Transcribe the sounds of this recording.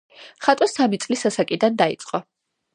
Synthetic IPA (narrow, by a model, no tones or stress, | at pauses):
χat̪ʼɔsamit̪sʼlisasakʼid̪and̪aḭt̪sʼqʼɔ